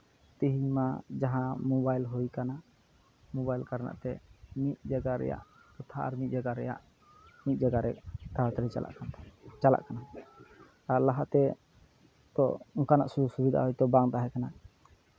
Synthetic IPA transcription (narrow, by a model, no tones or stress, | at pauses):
t̪iɦiɲmad͡ʒaɦãmɔbajlɦujkana | mɔbajlkaɾna̰ʔt̪ɛmit̪̚d͡ʒaɡaɾɛ̰ja̰ʔ | kɔt̪ʰaʔa̰ɾmit̪̚d͡ʒaɡaɾɛ̰ja̰ʔ | mit̪̚ˀd͡ʒaɡaɾɛ̰kt̪aat̪ɾɛt͡ʃala̰ʔkant͡ʃala̰ʔkana | aɾlaɦaʔt̪ɛ | t̪ɔ̰ɔŋkanaʔssubid̪ʱa̰ɦɔjt̪ɔbaŋt̪aɦɛkana